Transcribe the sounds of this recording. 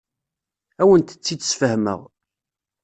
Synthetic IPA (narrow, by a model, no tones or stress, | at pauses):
æwənt̪ə̥t͡sːiəsfəhmə̰ʁ